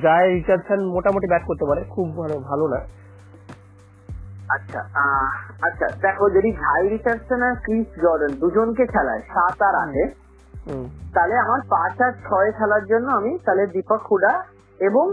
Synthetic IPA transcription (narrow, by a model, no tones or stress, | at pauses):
d͡ʑaeɾit͡ɕadsʰanmoʈamoʈibɛʈ̚koɾt̪epaɾekʰubʱalebʱalona | atːɕʰʃʰa̰ | atːɕʰa̰d̪ɛkʰod͡ʑoɖiɡʱajɾit͡ɕaɾsenakɾisɡɔɾɖend̪ud͡ʑonkekʰɛla̰eʃat̪aɾa̰ʃʰe | ɦt̪aleamaɾpat͡ɕaɾt͡ɕʰɔekʰɛlaɾd͡ʑonːoamit̪aled̪ipakʰːuɖa | eboŋ